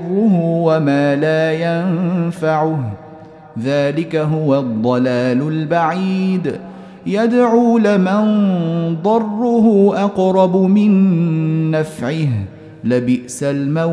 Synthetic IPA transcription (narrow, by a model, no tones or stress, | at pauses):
rːʊɦʊwamaːlaːjanfaʕʊh | ðaːlɪkaɦʊwad̪ˤːɑlaːlʊlbaʕiːd̪ | jad̪ʕuːlɪmɪnd̪ˤɑrˤːʊɦʊʔɑqɾˤɑbʊmɪnː | afʕɪh | lɪbɪʔsalma